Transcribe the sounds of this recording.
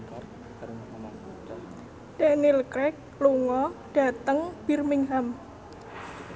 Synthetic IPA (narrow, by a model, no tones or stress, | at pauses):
d̥ɛʔnilkɾɛk̚luŋɔɖ̥a̤t̪əŋb̥irmɪŋɦam